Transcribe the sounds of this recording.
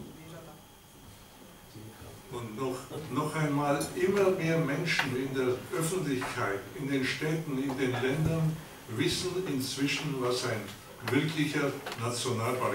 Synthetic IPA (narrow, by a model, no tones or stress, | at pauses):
ʊntɔχnɔχaɪnmaːlʔɪmɐmeːɐmɛnʃn̩ɪndeːɐʔœfn̩tlɪçkʰaɪtɪndeːnʃtɛːtn̩ɪndeːnlɛndɐn | vɪsn̩ɪnt͡sv̥ɪʃn̩vasaɪn | vɪɐkʰlɪçɐnat͡sjonaːlpa